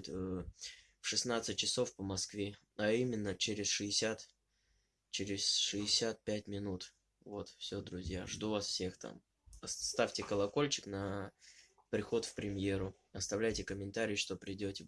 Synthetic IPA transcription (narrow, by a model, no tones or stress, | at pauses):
t̪ʲə | fʂɨsnat̪sɨt̚ʲt͡ɕːɪso̞fpəmɐskvʲe | ɐimʲɪnːət͡ɕeɾʲɪsʂɨɪsʲat̪ | t͡ɕeɾʲɪsʂɨɪsʲat̪̚pʲætʲmʲɪnut̪ | vo̞t̪fsʲod̪ɾʊzʲja̰ʐd̪uvasfsʲe̞xt̪ʰa̰m | ɐst̪afʲtʲɪkəlˠɐko̞lʲt͡ɕɪ̥knə | pɾʲɪxo̞t̪fpɾʲɪmʲje̞ɾʊ | ɐst̪ɐvlʲæjtʲɪkəmʲɪnt̪aɾʲɪjʂt̪o̞pɾʲɪdʲotʲɪ